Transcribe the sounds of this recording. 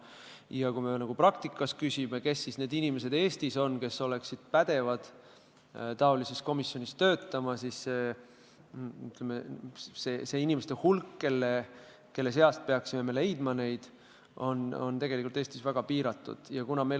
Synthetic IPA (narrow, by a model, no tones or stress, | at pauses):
jɑkujme̞nɑɡ̥uprɑk̚t̪ikːˑɑs̚kysʲime̞ke̞sːisne̞ːd̪inime̞se̞d̪e̞ːst̪iso̞nke̞so̞le̞ksid̪̥pæd̪̥e̞vɑd̪̥ | t̪ɑo̞lise̞st̪ko̞misːjonist̪ø̞ːt̪ːˑɑmɑsisːe | yt̪lemesese̞inimest̪e̞hulkːe̞lːe | ke̞lːe̞s̬e̞ɑst̪̚pe̞ɑksime̞me̞le̞jd̪̥mɑne̞jd̪̥ | o̞no̞nt̪e̞ɡ̥e̞likˑult̪eːst̪isvæɡ̥ɑpiːɾɑt̪ːˑṵd̪̥jɑkunɑme